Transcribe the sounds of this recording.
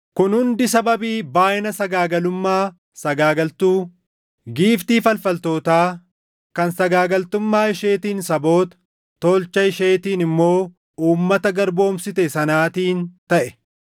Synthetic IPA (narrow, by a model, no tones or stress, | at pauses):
kʊnhʊnd̪ɪsɐbɐbiːbaːʔɪnɐsɐɡaːɡɐlʊmːaː | sɐɡaːɡɐlt̪uː | ɡiːft̪iːfɐlfɐlt̪o̞ːt̪aː | kɐnsɐɡaːɡɐlt̪ʊmːaːɪʃe̞ːt̪iːnsɐbo̞ːt̪ɐ̥ | t̪ːoːlt͡ʃːɐɪʃe̞ːt̪iːnɪmːo̞ː | uːmːɐt̪ɐɡɐɾbo̞ːmsɪt̪ɛsɐnaːt̪iːnt̪ɐʔɛ